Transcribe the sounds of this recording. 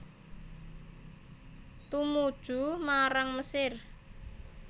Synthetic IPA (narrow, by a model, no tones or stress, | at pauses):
t̪umud̥ʒ̥ṳmaɾaŋməsɪr